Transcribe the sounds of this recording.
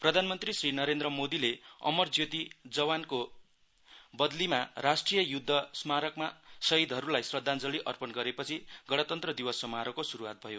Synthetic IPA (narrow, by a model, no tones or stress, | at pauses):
prʌd̪ʱanmʌnt̪risrinʌɾend̪rʌmod̪ileʌ̰mʌrd͡zjot̪id͡zʌwanko | bʌd̪limaɾasʈrijʌjud̪ʱːʌsmaɾʌkmasʌid̪ʱʌɾulajsrʌd̪ʱːand͡zʌliʔʌrpʌnɡʌɾepʌt͡sʰiɡʌɽ̃ʌt̪ʌnt̪rʌd̪iwʌsːʌmaɾʌkosuɾuwat̪̚bʱʌjo